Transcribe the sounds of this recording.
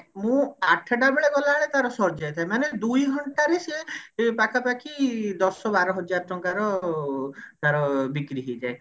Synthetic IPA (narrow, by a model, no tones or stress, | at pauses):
mũaʈʰaɖabeɭeɡɔlaːɭet̪aɾɔsɔɾd͡ʒajt̪ʰajmaned̪ujɦɔɳʈaɾesepakapakʰid̪ɔsɔbaɾɔɦɔd͡ʒaɾɔʈɔŋkaɾɔ | t̪aɾɔbikɾiɦejd͡ʒae